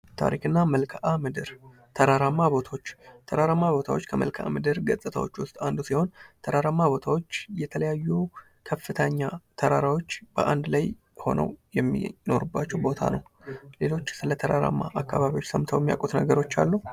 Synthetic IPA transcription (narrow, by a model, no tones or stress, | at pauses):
t̪ʰa̰ɾikɨnːaməlkʰʔamɨd̪ɨɾ | t̪ʰəɾaɾamːaβo̞t̪ʰawo̞t͡ʃːt̪ʰəɾaɾamːaβo̞t̪ʰawot͡ʃːkʰəmə̰lkʰʔa̰mɨd̪ɨɾɡəsʼɨt̪ʰa̰wo̞̰t͡ʃːwʊst̪ʼand̪usiho̞nt̪ʰəɾaɾamːabo̞t̪ʰawo̞t͡ʃːjɛt̪ʰələjajːu | kʰəfːɨt̪ʰəɲːat̪ʰəɾaɾawo̞t͡ʃːbəʔand̪laj | ho̞̰nə̰wjɛmːḭno̞̰ɾubːat͡ʃːɛwbo̞t̪ʰa̰nəwle̞lo̞t͡ʃːsɨlət̪ʰəɾaɾa̰mːa̰ʔakːaβaβiwo̞t͡ʃːsəmt̪ʰəwmija̰kʼut̪nəɡəɾo̞t͡ʃːa̰lːəhu